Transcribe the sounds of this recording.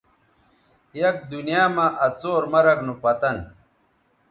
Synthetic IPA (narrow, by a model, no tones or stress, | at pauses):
jɐk̚d̪unijaːmaʔɐt͡soːɾmɐɾɐknupɐt̪ɐn